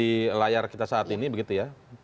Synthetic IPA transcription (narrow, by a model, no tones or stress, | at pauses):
ilajarkit̪asaːt̪inibəɡit̪uja